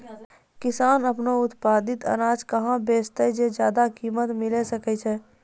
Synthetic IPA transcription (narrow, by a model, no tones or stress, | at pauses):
kɪsaːnəpnoʊt̪paːd̪ɪt̪ə̰ɾaːd͡ʒkəɦãbeːst̪əd͡ʒed͡ʒjaːd̪akiːmət̪mɪlesəkɛt͡ʃʰɛ